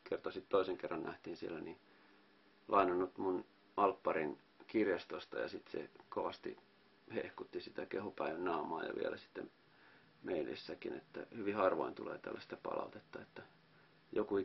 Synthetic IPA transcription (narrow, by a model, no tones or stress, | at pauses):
kert̪osit̪t̪oiseŋkerːɑnnæht̪iːnsielːæni | lʔɑinonːut̪mun | ʔɑlpːɑrin | kirjɑst̪ost̪ɑjɑsit̪sḛkoʋɑst̪ḭ | hehkut̪ːisit̪ækehupæiʋænːɑumɑːjɑ̰ʋḭælæsi̥t̪ːem | meilḭsːækinḛt̪ːæ̰hyʋihɑrʋoint̪ulḛːt̪æ̰lːæst̪ɑpɑ̰lʔɑ̰ut̪et̪ːɑet̪ːæ | joku